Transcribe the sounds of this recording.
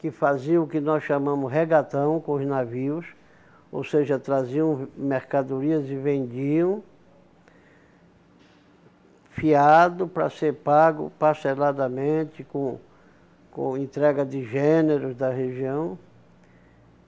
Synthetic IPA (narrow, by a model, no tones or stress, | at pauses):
kɪfaziɐ̃ʊkɪnɔsʃamɐ̃mʊzɦeɡat̪ɐ̃w̃kõʊznaviʊs | o̰wseʒɐt̪ɾaziɐ̃w̃meɾkad̪oɾiɐzɪvẽnd͡ʒiɐ̃w̃ | fiad̪ʊpɾɐ̰seɾpaɡʊ̰paɾselad̪ɐmẽt̪ɪkõ | kõ̰ẽnt̪ɾɛɡɐd̪ɪʒẽneɾʊzd̪ɐɦeʒiɐ̃w̃